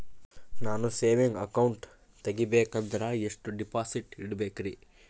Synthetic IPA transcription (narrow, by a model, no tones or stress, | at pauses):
naːnuseːʋiŋɡɐkɐwɳʈ | t̪eɡibeːkɐnd̪ɐɾɐeʂʈuɖipaːsiʈiɽɐbeːkɐɾi